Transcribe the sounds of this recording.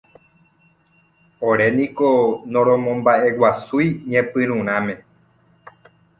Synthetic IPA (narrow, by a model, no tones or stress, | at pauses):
oɾe̞nĩkonõɾ̃õmõmbaʔe̞wasujɲẽpɨ̃ɾ̃ũɾ̃ãmẽ̞